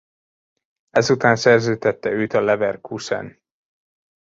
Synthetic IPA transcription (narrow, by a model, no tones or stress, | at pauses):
ɛzut̪aːnsɛrzøːt̪ɛt̪ːɛøːt̪ɒlɛvɛrkʰusɛ̰n